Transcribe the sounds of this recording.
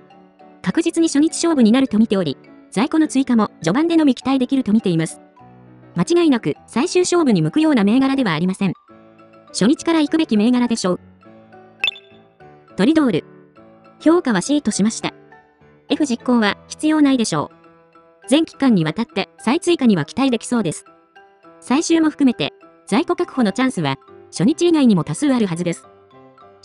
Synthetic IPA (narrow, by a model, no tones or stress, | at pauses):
kakɯ̟d͡ʑit͡sɨɲ̟iɕo̞ɲ̟it͡ɕi̥ɕo̞ːbɯ̟ɲ̟inaɾɯ̟t̪o̞mʲit̪e̞o̞ɾʲḭ | saiko̞no̞t͡sɨikamo̞d͡ʑo̞bãnd̪e̞no̞mʲikʲi̥t̪aid̪e̞kʲiɾɯ̟t̪o̞mʲit̪e̞imasɨ̥ | mat͡ɕiɡainakɯ̟saiɕɨːɕo̞ːbɯ̟ɲ̟imɯ̟kɯ̟jo̞ːname̞ːɡaɾad̪e̞βaːɾʲimasẽ̞ŋ | ɕo̞ɲ̟it͡ɕi̥kaɾaikɯ̟be̞kʲime̞ːɡaɾad̪e̞ɕo̞ː | t̪o̞ɾʲid̪o̞ːɾɯ̟ | ço̞ːkaβ̞aɕiːt̪o̞ɕimaɕi̥t̪a̰ | e̞ɸɯ̟ʑikːo̞ːβaçi̥t͡sɨjo̞ːnaid̪e̞ɕo̞̰ː | d͡zẽ̞ŋkʲi̥kãɲ̟ːiβ̞at̪at̪ːe̞sait͡sɨikaɲ̟iβakʲi̥t̪aɾid̪e̞kʲi̥so̞ːd̪e̞sɨ̥ | saiɕɨːmo̞ɸɯ̟̥kɯ̟me̞t̪e̞̰ | z̥aiko̞kakɯ̟̥ho̞no̞t͡ɕãɰ̃sɨβaɕo̞ɲ̟it͡ɕiːɡaiɲ̟imo̞t̪asɨːaɾɯ̟ɦazɨd̪e̞sɨ̥